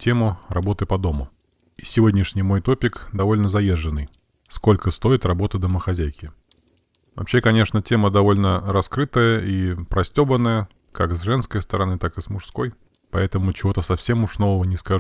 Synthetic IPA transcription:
tʲʰe̞mʊrɐbo̞t̪ɨpɐd̪o̞mʊ | isʲɪvo̞dʲnʲɪʂnʲɪjmo̞jt̪o̞pʲɪkd̪ɐvo̞lʲnəzɐjeʐːɨnːɨj | sko̞lʲkəst̪o̞ɪt̪rɐbo̞t̪əd̪əməxɐzʲæjkʲɪ | vɐ̰pɕːekɐnʲeʂnətʲe̞məd̪ɐvo̞lʲnəɾɐskɾɨt̪əjəipɾɐsʲtʲo̞bənːəjə | kakzʐɛnskəjst̪əɾɐnɨt̪akɨsmʊʂsko̞j | pɐɛt̪əmʊt͡ɕɪvo̞t̪əsɐfsʲe̞mʊʂno̞vəvənʲɪskɐ

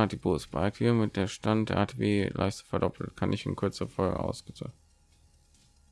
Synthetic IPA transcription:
atd̥iboːsb̥a̰ɪk̚tʰiːmɪt̚d̥eːʃtantd̥ḛːɐʔaːtʰebeːlʔa̰ɪçtɐ̥fɛɐdɔpʰl̩tkʰanʔɪçɪ̰nkʰʊɐt͡səəfɔlɡə̰ʔa̰ʊsɡ̥ət͡sa̰

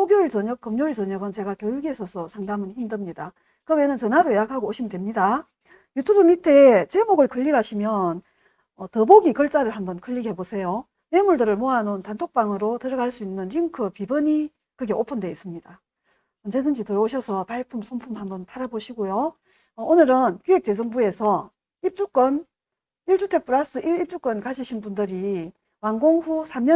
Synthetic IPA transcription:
sʰoɡjoɭt͡ɕʌɲʌk͈ːɯmɲoɭt͡ɕʌɲʌɡɯnt͡ɕe̞ɡakjojuɡe̞sʰʌsʰʌsʰaŋdamɯnçimdɯmɲida | kɯwe̞nɯnt͡ɕʌnaɾoejakʰaɡooɕʰimndwemɲida | jutʰubɯmitʰe̞t͡ɕe̞moɡɯɭkɯʎːiɡaɕʰimjʌn | ʌtɯboɡikʌɭt͡ɕ͈aɾɯɭhambʌnkɯʎːiɡe̞bosʰe̞jo | nemuɭdɯɾɯɭmoɦanontantʰok̚p͈aŋɯɾotɯɾʌɡaɭs͈uinːɯnɾiŋkʰɯpibɯɲi | kɯɡe̞ʔopʰɯnde̞is͈ɯmɲida | ʌnd͡ʑedɯnd͡ʑitɯɾʌoɕʰʌsʰʌpaɭpʰumsʰompʰumhambʌntaɾaboɕʰiɡojo | ʌonɯɾɯnkjuɦe̞k̚t͡ɕ͈e̞s̬ʰʌŋbue̞sʰʌ | ip̚t͡ɕ͈uk͈ʌn | iɭt͡ɕutʰe̞p͈uɾas͈ɯʔiip̚t͡ɕ͈uk͈ʌnkaɕʰiɕʰinbundɯɾi | wanɡoŋɸusʰamɲʌ

